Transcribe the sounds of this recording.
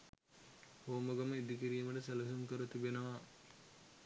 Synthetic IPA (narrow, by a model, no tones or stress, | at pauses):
hoːməɡɐməid̪ikiɾiːməɖəselɐɦumkəɾət̪ibenəʋa